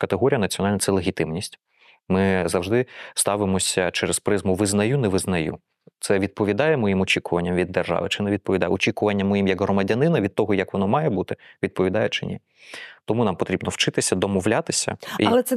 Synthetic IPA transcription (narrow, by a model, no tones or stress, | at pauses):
kɐt̪eɦɔɾʲijɐnɐtt͡sʲiɔnɑlʲnɐt̪sɛlˠeɣʲit̪ɪmnʲisʲtʲ | mɪzɐwʒd̪ɪst̪ɑʋɪmɔsʲɐt͡ʃɛɾɛspɾɪzmʊʋɪznɐjunɛʋɪznɐjṵ | t̪sɛʋʲid̪̚pɔʋʲid̪ɑjɛmɔjimɔt͡ʃʲikʊʋɐnʲːɐmʋʲid̪ːerʒɑ̰ʋɪ̰t͡ʃɪnɛʋʲid̪̚pɔʋʲid̪ɑjɛɔt͡ʃʲikʊʋɐnʲːɐmːɔjimjɐɡɦrɔmɐdʲɐnɪnɐʋʲid̪̚t̪ɔɦɔjɐkʋɔnɔmɑjɛbut̪ɪʋʲid̪̚pɔʋʲid̪ɑjɛt͡ʃɪ̰nʲḭ | t̪ɔmunɑmpɔt̪ɾʲibnɔwt͡ʃɪt̪ɪsʲɐd̪ɔmɔʋlʲat̪ɪsʲɐ̰ɐlˠɛsɛ